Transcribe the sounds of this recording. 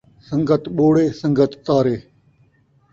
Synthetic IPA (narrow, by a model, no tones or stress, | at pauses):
sə̃ŋɡʱət̪ɓoːɽeːsə̃ŋɡət̪ːaːɾeː